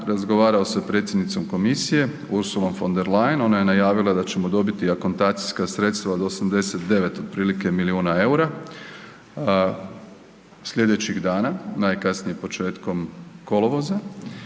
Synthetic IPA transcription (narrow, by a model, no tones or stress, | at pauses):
ɾazɡoʋaːɾaosapɾe̞t̪sjed̪nit̪somko̞misije̞ | uɾsulˠo̞mfo̞nd̪e̞ɾlajno̞naje̞najaːʋilˠad̪at͡ɕe̞mo̞d̪o̞bit̪iako̞nt̪aːt̪si̥skasɾe̞t̪st̪ʋaod̪osamd̪e̞se̞t̪̚d̪e̞ʋe̞t̪od̪̚pɾiːlike̞miliuːnae̞uɾa | slʲje̞d̪e̞t͡ɕiɣd̪aːnanaːjkasnijempo̞t͡ʃe̞ːt̪ko̞mko̞loʋoza